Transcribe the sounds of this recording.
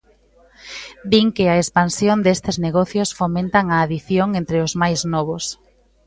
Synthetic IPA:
d̪iŋkɪɐespansjond̪est̪ɪzneɣɔθjosfomẽnt̪aŋaːðiθjoŋent̪ɾɪʊzmajznɔβʊs

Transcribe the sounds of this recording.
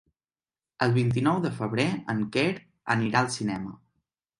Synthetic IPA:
əlˠβint̪̬inɔwðəfəβɾeəŋkeɾ | ə̰niɾaəlˠsinɛmə̰

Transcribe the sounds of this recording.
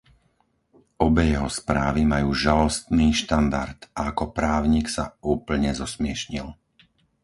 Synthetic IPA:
ɔbɛjɛɦɔspɾaːʋimajuːʒalɔst̪niːʃt̪and̪aɾt̪aːkɔpɾaːʊɲiksa̰uːpl̩ɲɛzɔsmɪɛʃɲil

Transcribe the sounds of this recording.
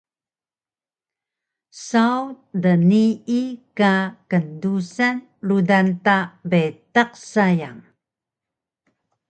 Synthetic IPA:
sau | dəniikakəndusan | ɾudantabetaq̚sajaŋ

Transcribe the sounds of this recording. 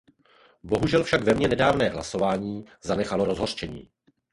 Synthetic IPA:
bo̞ɦuʒɛlfʃaɡvɛmɲɛnɛdaːvnɛːɦlaso̞vaːɲiːzanɛxalo̞ɾo̞zɦo̞rt͡ʃɛɲḭː

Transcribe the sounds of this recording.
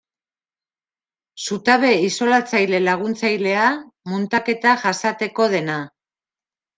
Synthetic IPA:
sut̪aβe̞iso̞lat͡sajle̞laɣ̞unt͡sajle̞amunt̪ake̞t̪aʝasat̪e̞ko̞ðe̞na

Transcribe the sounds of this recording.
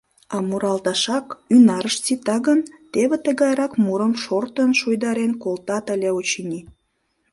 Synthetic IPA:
ɑmuɾɑlt̪ɑʃɑkynɑɾəʃt͡sit̪ɑɣənt̪eβet̪əɣɑjɾɑkmuɾəmʃort̪ənʃujd̪ɑɾenkolt̪ɑt̪əlʲeot͡ɕinʲi

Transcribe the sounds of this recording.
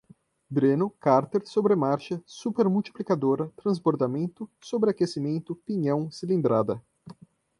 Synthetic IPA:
b̪ɾenʊkaɾt̪eɾsobɾemaɾʃɐsupeɾmuwt͡ʃi̥plikad̪oɾɐt̪ɾɐ̃zboɾd̪amẽnt̪ʊsobɾeakesimẽnt̪ʊpiɲɐ̃w̃silĩnd̪ɾad̪ɐ

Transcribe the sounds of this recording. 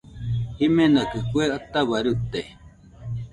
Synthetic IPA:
himenakɨkueat̪aβaɾut̪e

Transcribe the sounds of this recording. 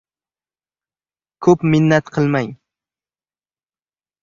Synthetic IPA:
kʰɵpmɪnːɛt̪qʰəlˠmɛj

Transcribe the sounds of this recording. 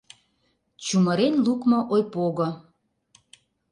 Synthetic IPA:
t͡ɕuməɾenlukmoʔojpoɣɤ

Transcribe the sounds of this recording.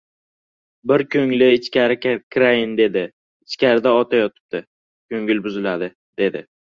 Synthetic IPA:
bɪɾkʲʰɵŋlɪɪt͡ʃkʲaɾɪkʲʰɾaɪnd̪e̞d̪ɪ | ɪt͡ʃkʲaɾɪd̪aɒt̪ʰajɒt̪ʰɪ̥p̚t̪ɪ | kʲʰɵŋʲɪlbʊzɪlad̪ɪ | d̪̥e̞d̪ɪ

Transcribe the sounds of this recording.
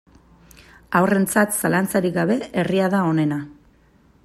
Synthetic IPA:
awre̞nt͡sat̪salant͡saɾiɡaβ̞e̞eriaðao̞ne̞na

